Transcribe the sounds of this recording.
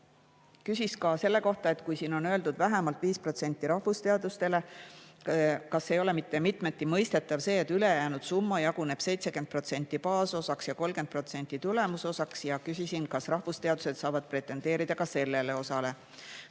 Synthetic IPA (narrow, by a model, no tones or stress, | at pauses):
kysʲiskɑse̞lːe̞ko̞ht̪ɑe̞t̪kujsiːno̞nø̞e̞ld̪ud̪̥væɦemɑlt̪viːspro̞t̪se̞nʲt̪ːˑiɾɑhvust̪e̞ɑd̪̥ust̪e̞le̞ | kɑsːejo̞lemit̪ːe̞mit̪me̞t̪ːˑimɤ̞jst̪e̞t̪ːˑɑvse̞ːt̪ːyle̞jæːnud̪̥sumːɑjɑɡune̞b̥se̞jt̪se̞kend̪̚pro̞t̪se̞nʲt̪ːˑipɑːso̞sɑksjɑko̞lɡ̥en̚pro̞t̪se̞nʲt̪ːˑit̪ule̞muso̞sɑksjɑkysʲisinkɑsrɑhvust̪e̞ɑd̪̥use̞d̪̥sɑːvɑd̪̥̚pre̞t̪ːˑe̞nd̪e̞ːɾid̪̥ɑkɑse̞lːe̞le̞o̞sɑle̞